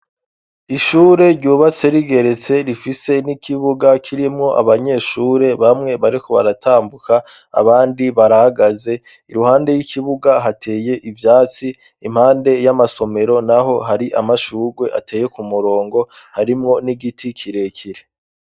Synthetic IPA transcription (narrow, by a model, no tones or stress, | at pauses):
iʃuːɾe̞ɾɟuːβat͡se̞ɾiɡe̞ɾe̞t͡se̞ɾifise̞nikʰiβuɡakʰiɾimŋo̞ʔa̰βaɲe̞ːʃuːɾe̞βamŋe̞βaɾiko̞βa̰ɾatʰaːmbukʰa̰ː | βaːndiβaɾahaɡaze̞ | iɾuhaːnde̞jikʰiβuɡaɦatʰe̞ːje̞ʔivjaːt͡siː | m̥haːnde̞jamaso̞me̞ɾo̞naɦo̞ɦaɾiʔa̰maʃuːɡwe̞ʔa̰tʰe̞ːje̞kumuɾo̞ːŋɡo̞ | haɾimŋo̞niɡitʰikʰiɾe̞kʰiɾe